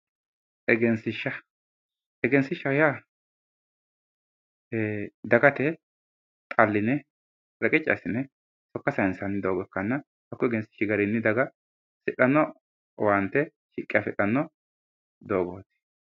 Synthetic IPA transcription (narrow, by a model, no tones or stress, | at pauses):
ʔɛɡɛnsɪʃːɐ | ɛɡɛnsɪʃɐwʊja | d̪ɐɡɐt̪ɛ | t̪ʼɐlːɪnɛ | ɾɐkʼɪt͡ʃʼːɐ̰sɪnɛ | sɔkːɐsɐɪnsɐnːɪd̪oːɡɔkːɐnːɐ | hɐkːɔɛɡɛnsɪ̥ʃɪɡɐɾɪnːɪd̪ɐɡɐ | sɪᶑɐnːɔ | want̪ɛ | ʃɪkʼːɪjɐfɛᶑɐnːɔ | d̪oːɡoːt̪ɪ̥